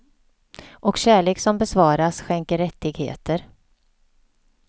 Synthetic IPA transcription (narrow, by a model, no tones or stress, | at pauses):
ʔɔkɕæːɭeːksɔmbɛsvɑːɾasɧɛŋkəɾːɛt̪ːɪɡhḛːt̪əɾ